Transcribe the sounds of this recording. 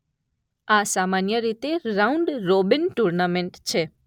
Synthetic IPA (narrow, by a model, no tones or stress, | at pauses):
asamanjəɾit̪eɾaũɳɖɾobinʈuɾnameɳʈt͡ʃʰe